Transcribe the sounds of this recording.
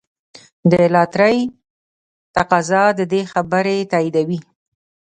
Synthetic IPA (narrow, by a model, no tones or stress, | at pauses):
d̪əlɑt̪ɾəj | t̪aqɑzɑd̪əd̪exabəɾet̪ɑjid̪awi